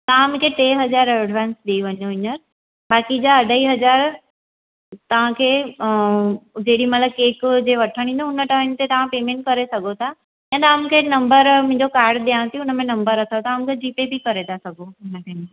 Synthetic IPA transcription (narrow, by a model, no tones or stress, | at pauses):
t̪ɐʋãm̃kʰeʈeːɦɐzaːɾɐɖʱʋaːnsɗiiʋɐɲõɪɲəɾ | baːkid͡ʑaɐɖʱəiɦɐzaːɾ | t̪ɐʋ̤ãkʰeː | d͡ʑeɦɽimɐt̪ləb̚keːkd͡ʑeːʋɐʈʰəɽ̃ĩnd̪oɦʊnəʈant̪ʰet̪ɐʋ̤ãpeːmẽːɳʈ̚kɐɾesɐɡʱot̪ʰa | ɛ̃ːt̪ɐamʊ̃kʰenɐ̃mbəɾmʊ̃ɦɪ̃ɲd͡ʑokaːɾɖɗ̪ijãt̪ʰijʊnəmẽnɐ̃mbəɾɐt̪ʰaot̪ɐamũkʰed͡ʑiːpebɪkɐɾet̪ʰasɐɡʱoʊnəʈɛ̃ɦn